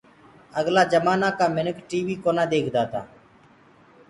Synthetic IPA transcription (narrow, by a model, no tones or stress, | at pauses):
əɡlaːd͡ʒəmaːnaːkaːmɪnəkʈiːʋiːkoːnaːd̪eːkʰd̪aːt̪a̰ː